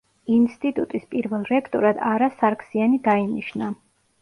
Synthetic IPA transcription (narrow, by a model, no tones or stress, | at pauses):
inst̪ʼit̪ʼut̪ʼispʼiɾvɛlˠɾɛkʰt̪ʼɔɾad̪aɾasaɾkʰsianid̪ainiʃna